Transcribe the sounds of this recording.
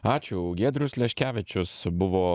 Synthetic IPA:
ɑːt͡ʃʲʊɡʲeːd̪ɾʊslʲɛʃʲkʲæːʋʲɪt͡ʃʲʊsbʊʋoː

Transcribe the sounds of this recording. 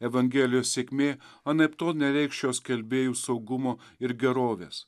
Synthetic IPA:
ɛʋɐŋʲɡʲɛːlʲɪjoːssʲeːkʲmʲeːɐnɐpt̪oːnʲɛɾʲɛɪkʃʲjʲoːskʲɛlʲbʲeːjuːsɒʊɡʊmoːɪɾɡʲɛɾoːʋʲḛːs

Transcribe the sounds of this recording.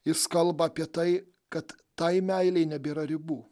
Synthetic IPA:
jɪskɐlˠbɐːpʲiɛt̪ɐɪ | kɐt̪ːɐɪmʲæɪlʲɛɪnʲɛbʲiːɾɐɾʲɪbuː

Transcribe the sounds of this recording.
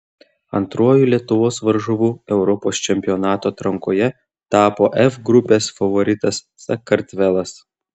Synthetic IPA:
ɐ̰nt̪ɾuɔjuːlʲiɛt̪ʊʋoːsʋɐɾʒʊʋuːɛʊɾɔpoːst͡ʃʲɛmʲpʲɪɔnɑːt̪oːɐt̪ɾɐŋkoːjɛ | t̪ɑːpoːʔɛfɡɾʊpʲeːsfɐʋɔɾʲɪt̪ɐsːɐkɐɾʲt̪ʲʋʲɛlˠɐs

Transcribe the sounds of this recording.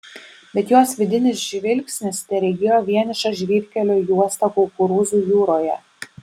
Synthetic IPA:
bʲɛt̪joːsʋʲɪd̪ʲɪnʲɪsʒʲʋʲɪlʲkʲsʲnʲɪst̪ʲɛɾʲɛɡʲɪjoːʋʲiɛnʲɪʃɐʒʲʋʲiːɾʲkʲɛlʲoːjuɔst̪ɐkɔlˠkʊɾuːzuːjuːɾoːjɛ

